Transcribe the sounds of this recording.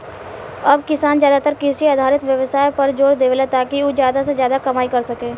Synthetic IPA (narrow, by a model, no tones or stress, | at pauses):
ɐbkɪsaːnzjaːd̪at̪əɾkɪsiaːd̪ʱaːɾɪt̪ʋjɐʋsaːjpɐɾd͡ʒoːɽd̪eːʋlat̪aːkiozjaːd̪asezjaːd̪akɐmaːikɐɾsɐkẽː